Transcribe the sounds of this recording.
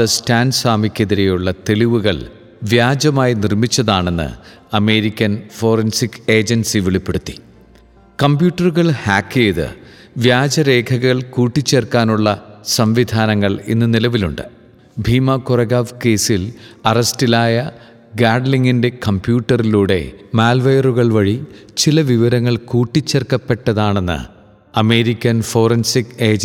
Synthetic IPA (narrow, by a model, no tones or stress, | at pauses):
ɐstaːnsaːmikʲːeðiɾe̞juɭːɐt̪e̞ɭiʋuɣɐ̰ɭ | ʋjaːd͡ʑɐmaːjinirmit͡ɕːɐðaːɳe̞nːɨ̰ | ɐme̞ːɾikʲːɐnfo̞ːrɐnsike̞ːd͡ʑɐnsiʋeɭipːeɽut̪ːi̥ | kɐmbjuːʈːɐruɣɐɭhaːkːejðɨ̰ | ʋjaːd͡ʑɐɾe̞ːkʰɐɣɐɭkuːʈːit͡ɕːerkaːnuɭːɐsɐmʋid̪ʱaːnɐŋːɐɭḛnːɨnilɐʋiluɳɖɨ̰ | bʱiːmɐkurɐɣaːʋke̞ːsilɐrɐstilaːjɐ | ɡaːɖliŋːinde̞kɐmbjuːʈːɐriluːɽe̞̰maːlʋɐjɐruɣɐɭʋɐɻi | t͡ɕilɐʋiʋɐɾɐŋːɐɭkuːʈːit͡ɕːerkːɐpːe̞ʈːɐðaːɳe̞nːɨ̰ | ɐme̞ːɾikʲːɐnfo̞ːrɐnsikeːd͡ʑ